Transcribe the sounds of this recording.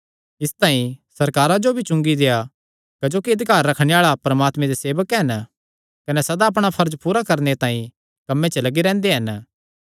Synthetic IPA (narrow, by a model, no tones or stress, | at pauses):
ɪst̪ãːĩsɐɾkaːɾad͡ʒobʱit͡ʃʊ̃ŋɡid̪eːja | kɐd͡ʒoːkiɐd̪kaːɾːɐkʰɽ̃eaːɭapɾɐmaːt̪mẽd̪eseːʋəkɦɐn | kɐnɛsɐd̪aːp̬ɽ̃apʰɐɾd͡ʒpuːɾakɐɾnet̪ãːĩ | kɐmːet͡ʃɐlɐɡiɾɛ̃ːnd̪eɦɐn